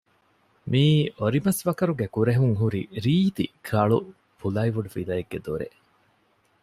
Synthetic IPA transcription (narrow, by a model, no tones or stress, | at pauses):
miːoɾimɐsʋɐkɐɾuɡekuɾeɦuŋɦuɾiɾiːt̪ikʰɐɭu | fulɐiʋuɖufid̪ɐjeɡːed̪oɾḛ